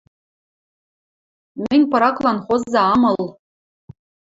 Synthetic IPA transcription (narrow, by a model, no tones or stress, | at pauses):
mʲɘnʲpɤ̆ɾɑklˠɑnχozːɑɑmɤ̆lˠ